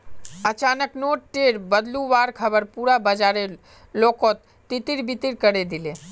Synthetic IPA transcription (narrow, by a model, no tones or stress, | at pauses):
ət͡ʃanəknoʈʈeɾbəd̪luʋaɾkʰəbəɾpuɾabəd͡ʒaɾe | lokot̪ːit̪iɾbit̪iɾkəɾed̪ile